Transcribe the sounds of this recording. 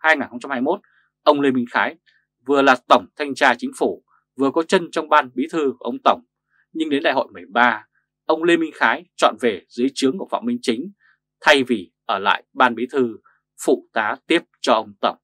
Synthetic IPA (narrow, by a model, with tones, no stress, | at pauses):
haː˧jŋaː˨˩nxə˧wŋ͡mt͡ɕa˧mhaː˧jmo˦˥t̚ | ʔə˧wŋ͡mle˧mï˧ŋ̟xaː˨˦j | vɨ˨˩əlaː˨˩t̪ə˧˩wŋ͡mt̪ʰa˧jŋ̟t͡ɕaː˧t͡ɕï˨˦ŋ̟fu˧˩ | vɨ˨˩əkɔ˨˦t͡ɕə˧nt͡ɕɔ˧wŋ͡mɓaː˧nɓi˨˦t̪ʰɨ˧ku˧˩ʔə˧wŋ͡mt̪ə˧˩wŋ͡m | ɲɨ˧ŋɗe˨˦nɗa̰˧˨ho̰˧˨jmɨ˨˩ə˩jɓaː˧ | ʔə˧wŋ͡mle˧mï˧ŋ̟xaː˨˦jt͡ɕɔ̰˧˨nve˨˩zɨ˨˦əjt͡ɕɨ˨˦əŋku˧˩əfa̰˧˨ŋ͡mmï˧ŋ̟t͡ɕï˨˦ŋ̟ | t̪ʰa˧jvi˨˩ʔəː˧˩la̰ː˧˨jɓaː˧nɓi˨˦t̪ʰɨ˧ | fṵ˧˩t̪aː˨˦t̪i˦˥əp̚t͡ɕɔ˧ʔə˧wŋ͡mt̪ə˧˩wŋ͡m